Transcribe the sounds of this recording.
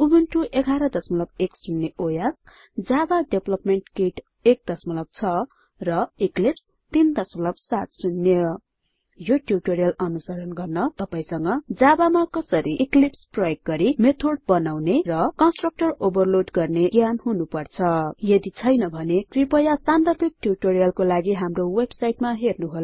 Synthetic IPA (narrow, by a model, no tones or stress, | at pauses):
ubunʈuʔeɡʱaɾʌd̪ʌsmʌlʌbeksunːeʔojas | d͡zabaɖeblʌpmeɳʈkeʈ | ek̚d̪ʌsmʌlʌb̚t͡sʰʌ | rʌiklips | t̪ind̪ʌsmʌlʌbsat̪sunːjʌ | joʈjurʈoɾijʌlʌnusʌɾʌnɡʌrnʌt̪ʌpaĩsʌŋɡʌd͡zabamakʌsʌɾiʔklipsprʌjok̚ɡʌɾimet̪ʰorɖ̚bʌnawnerʌkʌnsʈrʌk̚ʈʌrobʌrloʈɡʌrneɡjanɦunupʌrt͡sʰʌjʌd̪it͡sʰʌjnʌbʱʌneʈripʌjasand̪ʌrbik̚ʈjuʈoɾijʌlkolaɡiɦamrowebsajʈmaɦernuɦol